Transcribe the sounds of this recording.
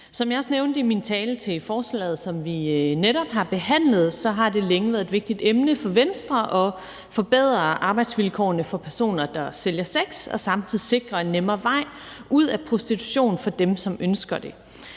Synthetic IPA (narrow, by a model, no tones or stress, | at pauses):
sɒ̽mjɑ̈ɒ̽sneʊnd̥əimint͡sʰɛːlət͡sʰe̝lfɒːslɛ̰ːð̩ˠsɒ̽mʋineɾɒ̽b̥ɦɑ̈b̥e̝ɦæn̰lð̞̩ˠsɒ̽ɦɑ̈d̥e̝leŋəʋæːɐðˠed̥ʋe̝ɡ̥̚d̥id̥emnəfɒ̽ʋensd̥ʁɐʔɒ̽ | fɒ̽b̥eð̞̰ˠʁɐʔɑ̈ːb̥ɑ̈ɪd̥sʋilkʰɒ̰ːnəfɒ̽pʰæɐso̝̰ːnɐd̥ɑ̈seljɐseɡ̥sɒ̽sɑ̈mt͡sʰiðˠise̝ɡ̥ʁɐe̝nːemɐʋɑ̈ɪ̰ | uð̞̰ˠæpʰʁo̝sd̥it͡sʰu̥ɕo̝̰ːn̩fɒ̽d̥emsɒ̽mønsɡ̥ɐd̥e̝